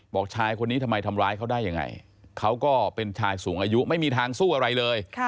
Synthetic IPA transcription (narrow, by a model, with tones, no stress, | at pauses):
bɔː˨˩k̚t͡ɕʰaː˧jkʰo˧nːiː˦˥t̪ʰmːa˧jt̪ʰa˧mɾaː˦˥jkʰa˦˥wdaː˥˩jːa˧ŋːa̰˧j | kʰa˦˥wkɔː˥˩pe˧nt͡ɕʰaː˧jsuː˩˦ŋʔaː˧ju˦˥ma˥˩jmiː˧t̪ʰaː˧ŋsuː˥˩ʔa˧ɾa˧jlɤː˧jʰ